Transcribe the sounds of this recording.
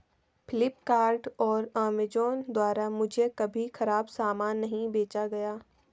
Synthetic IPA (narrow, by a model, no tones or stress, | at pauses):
pʰɪlɪpkaːɾɖɔːɾaːmed͡ʒoːnd̪waːɾamʊd͡ʒʱekɐbʱixɐɾaːbsaːmaːnːɐɦĩbeːt͡ʃaɡɐjaː